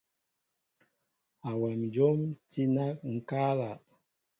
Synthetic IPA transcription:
a˨wɛ˨m˨d͡ʒo˦mti˦na˦k̚ŋ̩˦ka˦la˨

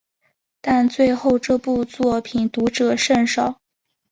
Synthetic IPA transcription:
t̪a˥˧nt͡swe˥˧ɪxo˥˧ʊʈ͡ʂɤ˥˧pu˥˧t͡swɔ˥˩pʰi˨˩nt̪u˧˥ʈ͡ʂɤ˨˩ʂə˥˩nʂɑ˨˩˦ʊ

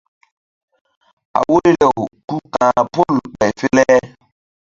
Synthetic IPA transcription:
a̰˨wo˦ɾe˦lɛ˨o˨ku˦kã˨po˦lk͡pɛ˨jfe˦lɛ˦

